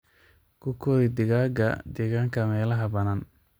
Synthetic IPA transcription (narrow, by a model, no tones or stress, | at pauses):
kʰʊkʰɔːðid̪ɪɣaːɡɐ̰d̪ɛɣaːŋkʰɐmɛːlɐɦɐbɐnaːn